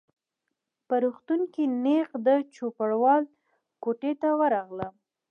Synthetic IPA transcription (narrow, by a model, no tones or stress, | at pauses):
pəɾuxt̪uŋkinexd̪ət͡ʃopəɽwɑl | koʈet̪awəɾɑɣlə